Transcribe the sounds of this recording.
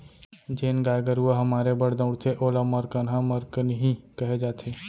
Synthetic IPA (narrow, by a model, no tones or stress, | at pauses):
d͡ʒeːnɡaːjɡəɾuaɦɐmaːɾebɐɽd̪ə̃ʊɽt̪ʰeʔoːlamɐɾkənɦãməɾkənɦĩkɐɦed͡ʒaːt̪ʰeː